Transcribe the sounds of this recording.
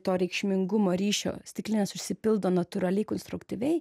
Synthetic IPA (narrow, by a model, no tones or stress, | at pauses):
t̪oːɾʲɛɪkʃʲmʲɪŋɡʊmoːɾʲiːʃʲo̰ːsʲt̪ʲɪklʲɪnʲɛsʊʃʲsʲɪpʲɪlˠd̪oːnɐt̪ʊɾɐlʲɛɪkɔnst̪ɾʊkt̪ʲiʋʲɛɪ